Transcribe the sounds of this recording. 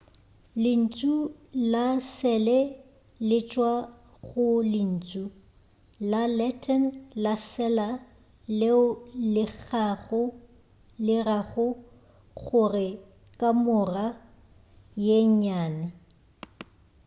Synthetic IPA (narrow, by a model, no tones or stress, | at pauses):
lɪn̩t͡sʼulasɛlɛ | lɪt͡ʃʼwa | ɣʊlɪn̩ːt͡sʼu | lalɛtʰɔnlasɛla | lɪʊlɪɣaɣʊ | lɪraɣʊ | ɣʊrɪ | kʼamʊra | jeɲaːnɪ